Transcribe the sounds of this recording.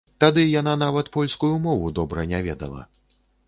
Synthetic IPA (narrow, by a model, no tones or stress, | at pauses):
t̪ad̪ɨjan̪anavɐt̪pɔlʲskujumɔvud̪ɔbɾɐnʲavʲɛd̪ɐ̰lˠɐ̰